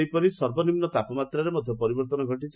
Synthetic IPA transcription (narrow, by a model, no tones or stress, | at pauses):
ejpɔɾisɔɾbɔnimnɔt̪apɔmat̪ɾaɾemɔd̪ʱjɔpɔɾibɔɾt̪ɔnɔɡʱɔʈit͡ʃ